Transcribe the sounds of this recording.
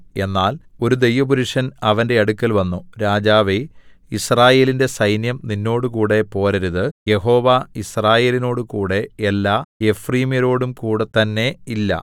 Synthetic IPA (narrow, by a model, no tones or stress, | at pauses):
e̞nːaːlo̞ɾud̪e̞jʋɐbuɾuʂɐnɐʋɐnde̞ɐɽukːɐlʋɐnːuɾaːd͡ʑaːʋeisraːje̞ːlinde̞sɐjnjɐmninːo̞ːɽukuːɽe̞po̞ːɾɐɾuðɨje̞ɦo̞ːʋaisraːje̞ːlino̞ːɽukuːɽe̞ːlːaːefriːmjɐɾo̞ːɽumkuːɽet̪ɐnːe̞ilːɐ̰